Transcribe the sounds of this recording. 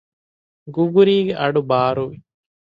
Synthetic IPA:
ɡuɡuɾiːɡeʔɐɖubaːɾuʋi

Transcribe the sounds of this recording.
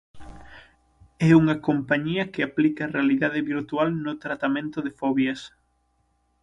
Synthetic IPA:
ɛuŋɐkompaɲiɐkeaplikɐːrealiðaðɪβiɾt̪ualnʊt̪ɾat̪amẽnt̪ʊðefɔβjɐs

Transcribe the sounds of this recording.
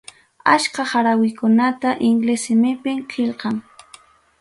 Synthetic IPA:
aʃkaχaɾawɪkʊnat̪aʔɪŋɡlesɪmɪpɪmkʰɪlqɑŋ

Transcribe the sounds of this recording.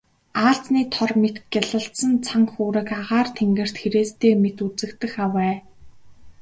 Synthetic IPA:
aːɬt͡sniːt̪ʰɔrmet̪ɡʲaɮə̆ɬt̪sə̆nt͡sʰaŋxuːɾɘ̆kaʁaːrt̪ʰeŋɡɘ̆r̥t̪xeɾeːst̪ʰeːmet̪ut͡sɘ̆kt̪ɘ̆xawæː

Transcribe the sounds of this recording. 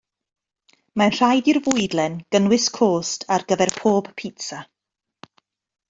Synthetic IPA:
manr̥ajdirvʊjdlɛnɡ̥ənwɪskʰoːstʰarɡəvɛrpʰoːb̥pʰitsa

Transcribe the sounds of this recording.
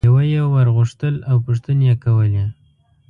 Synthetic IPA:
awajewaɾɣʊʂt̪əlawpʊʂt̪ənjekawəle

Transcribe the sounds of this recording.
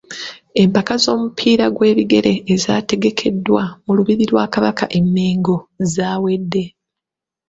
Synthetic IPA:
e̞mpakazo̞ːmupʰiːɾaɡwe̞ːβiɡe̞ɾe̞ːzaːte̞ɡe̞kʰe̞dːwamuluβiɾiɾwaːkaβakʰa̰ʔe̞mːeːŋɡo̞zaːwe̞dːe̞

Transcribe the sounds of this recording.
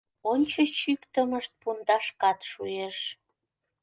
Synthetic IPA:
onʲt͡ɕət͡ɕykt̪əməʃt̪̚pund̪ɑʃkɑt̪ʃueʃ

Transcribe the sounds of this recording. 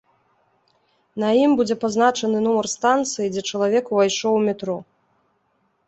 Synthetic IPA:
nɐimbud͡zʲɛpaznat͡ʂɐnɨnɔmɐrst̪ant̪sɨjid͡zʲɛt͡ʂɐlˠavʲɛkuvajʂɔwmʲɛt̪ɾɔ

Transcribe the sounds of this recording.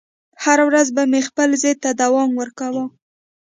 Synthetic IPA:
haɾawɾazbamexpəlzejt̪ad̪awɑmwəɾkawə

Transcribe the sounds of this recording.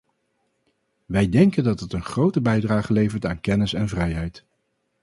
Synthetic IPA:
ʋɛjdɛŋkəndɑtɦətənχrowtəbɛjdraːχəlejvəɹtaːnkɛnɪsɛnvrɛjɦɛjt

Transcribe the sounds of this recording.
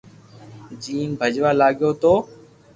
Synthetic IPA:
d͡ʒiːnbʱəd͡ʒʋaːlaːɠjoːt̪oː

